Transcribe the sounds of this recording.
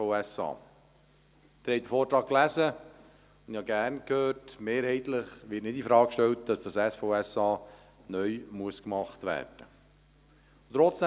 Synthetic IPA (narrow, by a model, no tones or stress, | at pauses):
oɛsɑ̰ː | d̪̥ɪɾhɛjd̥̪əɾfoːɾtɾɑːk̚læzə | ʊndhɑɡæːɾnkhøːɾtmeːɾhɛɪt̪ləχʋɪtnɪdifɾɑːkkʃtɛltd̥ɑsd̥ɑsɛsfoʊɛsɑː | nœʏmuəskmɑχtʋæ̰ːɾd̥ə | t̪ɾɔt͡sd̥ɛ